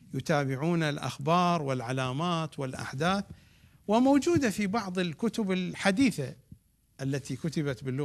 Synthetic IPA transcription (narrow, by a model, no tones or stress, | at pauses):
jʊt̪aːbɪʕuːnalʔa̰xbɑːɾˤwɪlʕalaːmaːt̪wɪlʔa̰ħd̪aːθ | wɪmowd͡ʒuːd̪afibɑʕðˤɪlkʊt̪ʊbɪlħad̪iːθa | ʔalːat̪ikʊt̪ɪbat̪bɪlːʊ